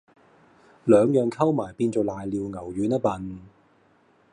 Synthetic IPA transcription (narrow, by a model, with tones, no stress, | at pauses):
lœː˨˧ŋjœː˨ŋkʰɐ˥wmaː˨˩jpiː˧nt͡so˨˧wlaː˨jliː˨˧wŋɐ˨˩wjyː˨˥nɐ˥pɐ˨˧n